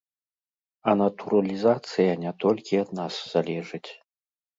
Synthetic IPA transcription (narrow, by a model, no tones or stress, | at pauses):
ɐnɐt̪uɾɐlʲizat̪sɨjɐnʲɛt̪ɔlʲkʲiɐd̪nasz̥alʲɛʐɨt͡sʲ